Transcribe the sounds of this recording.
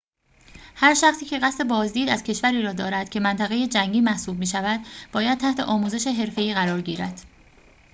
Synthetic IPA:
hæɾʃæχt̪iːcʰe̞ɣæst̪e̞bɒːzd̪iːd̪æz̥cʰe̞ʃvæɾiːɾɒːd̪ɒːɾæd̪̥cʰe̞mænt̪ʰæɣe̞je̞d͡ʒæŋɟiːmæhsuːb̚miːʃævæd̪̥b̥ɒːjæd̪̚t̪ʰæht̪ʰe̞̰ʔɒːmuːze̞ʃeɦe̞ɾfe̞iːɣæɾɒːɾɡiːɾæd̪̥

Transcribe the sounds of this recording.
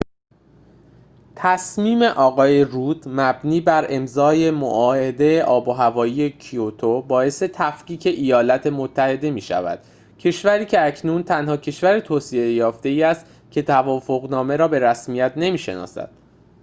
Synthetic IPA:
t̪ʰæsmiːme̞ʔɒːɣɒːje̞ruːd̪mæbniːbæɾʔe̞mzɒːje̞mo̰ʔɒːe̞d̪e̞jeʔɒːboɦævɒːjiːje̞cʰiot̪ʰobɒːe̞se̞t̪ʰæfkiːcʰe̞ʔijɒːlæt̪ʰe̞mot̪ʰːæhe̞d̪e̞miːʃæ̰væ̰d̪̥ | cʰe̞ʃvæɾiːcʰe̞æcʰnuːnt̪ʰænhɒːcʰe̞ʃvæɾet̪ʰoːsie̞jɒːft̪e̞iːæst̪ | cʰe̞t̪ʰævɒːfo̞ɣnɒːme̞ɾɒːbe̞ɾæsmijæt̪ne̞miːʃe̞̰nɒ̰ːsæ̰d̪̥̚

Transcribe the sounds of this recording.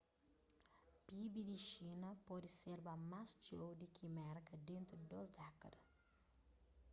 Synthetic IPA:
pibid̪iʃinɐpɔd̪iseɾbamast͡ʃowd̪ikʰimɛrkɐd̪ẽnt̪ɾud̪ɔzd̪akːɐd̪ɐ

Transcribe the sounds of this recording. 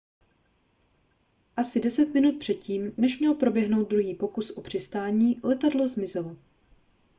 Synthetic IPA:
ʔasɪdɛsɛt̪mɪnut̪̚pr̝̥ɛt̪ciːmnɛʃmɲɛlpɾo̞bjɛɦno̞wd̪̚dɾuɦiːpo̞kusʔopr̝̥ɪst̪aːɲiːlɛt̪adlo̞zmɪzɛlo

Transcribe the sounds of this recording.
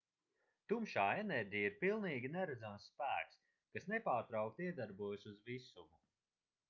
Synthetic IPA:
t̪umʃaːenɛɾʲɟijaiɾpilˠniːɡʲinɛɾad̪zamssːpæːks | kasnepaːɾt̪ɾawkt̪iɛd̪aɾbuɔjsuzvisumu

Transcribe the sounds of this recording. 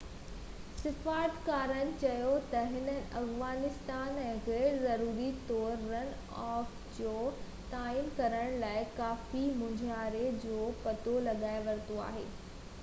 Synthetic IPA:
sɪfaːɾt̪kaːɾənɪ̆t͡ɕɐjot̪ɐɦɪnə̃ʔɐfʋaːnɪst̪aːnɛ̃ːɣɛːɾzɐɾuːɾit̪ɔːɾɾənɪ̆ | ɔːf | d͡ʑoː | t̪aːiːmkɐɾəɽ̃laːɪkaːfimʊ̃d͡ʑʱaːɾed͡ʑoːpɐt̪olɐɠaːɪʋɐɾt̪oa̰ːɦḛː

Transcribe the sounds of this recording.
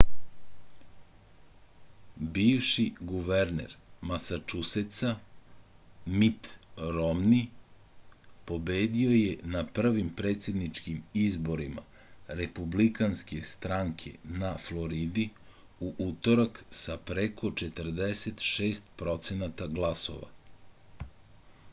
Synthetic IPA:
biːʋʃiɡuʋeɾnḛɾmasat͡ʃuset̪sa | mit̪ɾomni | po̞be̞ːd̪io̞je̞napr̩ʋimpɾe̞t̪sʲje̞d̪nit͡ʃkimizbo̞ɾima̰ | ɾe̞publikanske̞st̪ɾaŋkʰe̞̰naflo̞ɾid̪i | uʔut̪o̞ɾaksapɾekʰo̞t͡ʃet̪ər̩d̪eset̪ʃe̞ːst̪̚pɾo̞t̪se̞nat̪aɡlˠaso̞̰ʋa̰

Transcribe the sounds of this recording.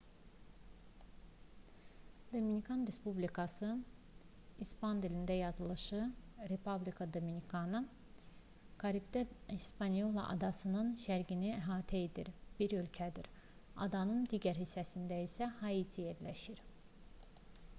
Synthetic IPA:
d̪ominikʰɑnɾe̞spublʲikʰɑsɯ | ispʰɑnd̪ilind̪æjɑzɯlˠɯʃɯɾepʰublʲikʰɑd̪ominikʰɑnɯ | ɡ̥ɑɾipd̪æispɑnijolˠɑ̰ʔɑ̰d̪ɑsɯnɯnʃæɾɟiniæɦɑːt̪ʰæed̪ḭɾb̥iɾølcʰæd̪iɾ | ɑ̰d̪ɑnɯnd̪iːɟæɾɦisːæsind̪æisæhɑit̪ʰijeɾlæʃiɾ

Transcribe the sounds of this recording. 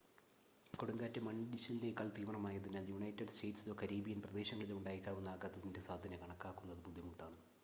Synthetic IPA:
koɽuŋɡaːtːɐmɐɳdiɕɐnilekːaːɭt̪iːmɐɳɐmaːjɐðinaːljuɳɐjtːɐɖste̞ːʈsilo̞ːkɐɾiːbijɐnprɐd̪e̞ːɕɐŋːɐɭilumuɳɖaːjikʲːaːʋunːaːɡɐt̪ːɐðinde̞saːd̪ʱɐnɐkɐɳɐkːaːkːunːɐɐðɨbud̪ʱjɐmuʈːaːɳɨ

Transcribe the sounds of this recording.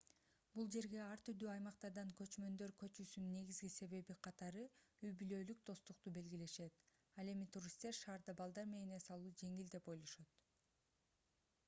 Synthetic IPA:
bulˠd͡ʒe̞ɾɡe̞ɑɾt̪yɾd̪yːɑjmɑqt̪ɑɾd̪ɑŋkø̞t͡ʃmø̞nd̪ø̞ɾkø̞t͡ʃyːsynne̞ɡizɡise̞βe̞βiqʰɑt̪ɑɾɯyjbylø̞ːlyk̚d̪̥o̞st̪uq̚t̪ube̞lɡʲile̞ʃe̞t̪ | ɑlˠe̞mit̪uɾʲist̪e̞ɾʃɑːɾd̪ɑbɑlˠd̪ɑɾmenesɑlˠuːd͡ʒe̞ŋild̪e̞po̞jlˠo̞ʃɑt̪

